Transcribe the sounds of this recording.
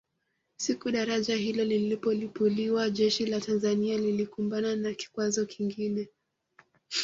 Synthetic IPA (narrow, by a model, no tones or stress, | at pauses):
sikuɗaɾaʄaɦilɔlilipɔlipuliwaʄɛʃilatanzanialilikumbananaki̥kwazɔkʰiŋɡinɛ